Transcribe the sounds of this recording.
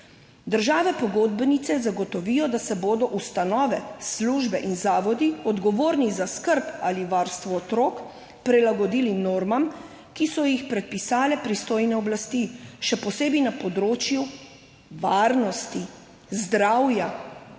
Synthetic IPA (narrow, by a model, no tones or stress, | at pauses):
d̪əɾʒaːʋɛpɔɡoːd̪bɛnit̪sɛzaɡɔt̪ɔʋijɔd̪asɛboːd̪ɔʔust̪anɔːʋɛsluːʒbɛʔinzaːʋɔd̪iɔd̪ɡɔʋoːɾnizaskəɾpaliʋaːɾst̪ʋɔːt̪ɾoːk | pɾilaɡɔd̪iːlinoːɾmam | kisɔjixpɾɛt̪̚pisaːlɛpɾist̪oːjnɛɔblast̪iʃɛpɔseːbinapɔd̪ɾoːt͡ʃju | ʋaɾnɔst̪i | zd̪ɾawja